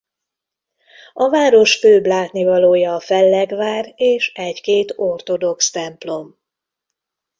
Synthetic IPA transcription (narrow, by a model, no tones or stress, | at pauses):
ɒvaːɾo̞ʃføːblaːt̪nivɒloːjɒːfɛlːɛɡvaːreːʃɛckeːt̪o̞rt̪o̞d̪o̞kst̪ɛmplo̞m